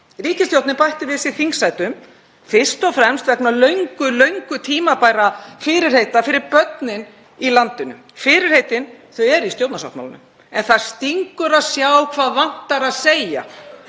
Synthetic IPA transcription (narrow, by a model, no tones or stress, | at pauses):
riːcɪst̪jowt̪nɪpajht̪ɪvɪsiθiŋksajt̪ʏm | fɪr̥st̪ɔfɾɛmst̪vɛknalœɥŋkʏlœɥŋkʏt̪ʰiːmapajɾafɪɾɪɾ̥hejt̪afɪɾɪɾpœt̪nɪn | ilant̪ʏnʏ̰m | fɪɾɪɾ̥hejt̪ɪnθœɥɛɾist̪jowt̪nasa̰wt̪ma̰la̰nʏ̰m | ɛnθaðst̪iŋkʏɾaðsjaːwkʰvaːðvan̥t̪aɾaðseja̰